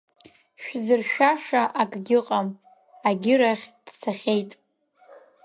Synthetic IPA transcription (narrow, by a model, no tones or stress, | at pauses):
ʃᶣzɨrʃᶣaʂaʔakʼɡʲɪqʼam | aɡʲɪɾaχʲd̥t͡sʰaχʲejtʼ